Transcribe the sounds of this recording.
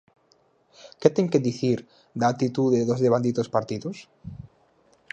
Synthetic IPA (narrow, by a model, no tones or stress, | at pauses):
ket̪eŋkeðiθiɾ | d̪aːt̪it̪uðeðozðeβãnd̪it̪ospaɾt̪iðos